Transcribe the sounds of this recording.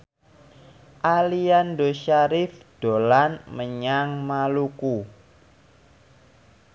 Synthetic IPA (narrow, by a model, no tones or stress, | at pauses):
ʔaliandoʃaɾɪfɖ̥o̤lanməɲaŋmaluku